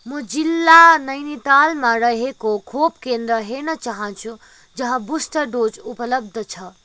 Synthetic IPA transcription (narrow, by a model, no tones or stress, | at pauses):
mʌd͡zilːanʌjnit̪almãɾʌɦekokʰopkend̪ɾʌɦenʌt͡saɦʌnt͡ʃʰu | d͡ʒʌɦʌ̃busʈʌɖod͡zupʌlʌb̚d̪ʱʌt͡sʰʌ